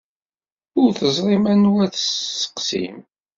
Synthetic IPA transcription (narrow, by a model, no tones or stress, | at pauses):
ʊɾθəzˤɾˤimænwæθəsə̥qsḭm